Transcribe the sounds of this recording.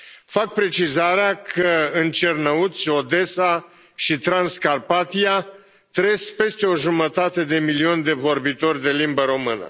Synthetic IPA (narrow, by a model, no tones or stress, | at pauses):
fak̚pɾe̞t͡ʃizaɾeakʰəɨnt͡ʃernəut̪sʲo̞d̪e̞sa | ʃit̪ɾanskarpat̪ia | t̪ɾespe̞st̪e̞o̞ʒumət̪at̪e̞d̪e̞milio̞nd̪e̞vo̞rbit̪o̞rʲd̪e̞limbəɾo̞mɨnə̰